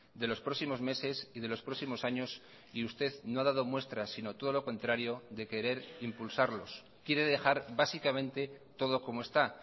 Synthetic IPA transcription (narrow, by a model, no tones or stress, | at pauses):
d̪e̞lo̞spɾo̞simo̞zme̞se̞siðe̞lo̞spɾo̞simo̞saɲo̞s | iust̪e̞ðno̞aðað̞o̞mwe̞st̪ɾasino̞t̪o̞ð̞o̞lo̞ko̞nt̪ɾaɾjo̞ðe̞ke̞ɾe̞ɾimpulsaɾlo̞̰s | kje̞ɾe̞ðe̞xaɾβasikamẽ̞nt̪e̞t̪o̞ð̞o̞ko̞moe̞st̪a